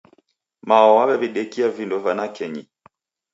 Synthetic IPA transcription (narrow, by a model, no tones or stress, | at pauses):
maɔwaβɛβiɗɛkiavindɔvanakɛɲi